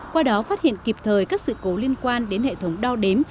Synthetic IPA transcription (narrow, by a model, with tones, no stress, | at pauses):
kwaː˧ɗɔ˨˦faː˦˥t̚hḭ˧˨ənki˨˩p̚t̪ʰəː˨˩jkaː˦˥k̚sɨ̰˧˨ko˨˦li˧ənkwaː˧nɗe˨˦nhḛ˧˨t̪ʰə˨˦wŋ͡mɗa˧wɗe˨˦m